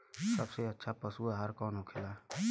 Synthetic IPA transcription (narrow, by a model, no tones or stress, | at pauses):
səbseətːʃʰapəsuaɦəɾkɔːnɦokʰela